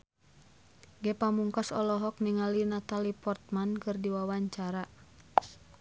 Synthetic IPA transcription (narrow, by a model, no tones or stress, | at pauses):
ɡɛpamuŋkasɔlɔɦɔk̚niŋalinat̪alipɔrt̪̚mankɨrdiwawaɲt͡ʃaɾa